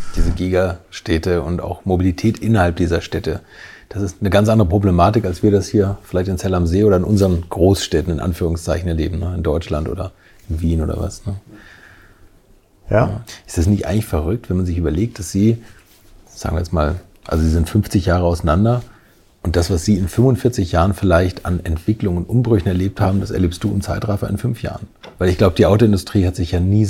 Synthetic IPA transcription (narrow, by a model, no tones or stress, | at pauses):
d̥iːzəɡiːɡaʃtʰɛtəʊnta̰ʊxmobilitʰɛːtʔɪnɐhalp̚d̥iːzɐʃtɛtəd̥asɪstnəɡant͡sʔandəʁəpʁ̥oblemaːtɪkalsv̥iːɐɾashiːɐfɪlaɪçtɪnt͡sɛlamzeːʔoːɾɐɪnʔʊnzəʁənɡ̥ʁoːsʃtɛtn̩ɪnʔa̰nfyːʁʊŋst͡saɪçn̩ɛɐlḛːbm̩nəɪndɔʏt͡ʃlantʔo̰ːdɐ | ɪnviːnʔo̰ːdɐ̰va̰snə | ʔɪ̥stɛsnɪçtʔaɪŋlɪçfɛʁʏk̚tvɛnmanzɪçyːbɐleːk̚t̚d̥asz̥iː | z̥a̰ːɡŋviɐjɛt͡sma̰ːl | ʔalzoziːzɪntfʏmft͡sɪçjaːʁəaʊsanandɐ | ʔʊntd̥asv̥asz̥iːɪnfʏmʊntfɪɐt͡sɪçjaːʁənfɪlaɪçtanɛntv̥ɪklʊŋʊntʔʊmbʁʏçn̩ɛɐleːp̚thaːbm̩dasɛɐleːpst̚d̥uːɪmt͡saɪtʁaɪfɐʔɪ̰nfʏnfja̰ːʁənvaɪlɪçɡ̥laʊbədiːʔaʊtoɪndʊstʁ̥iːhatz̥ɪçjaːniː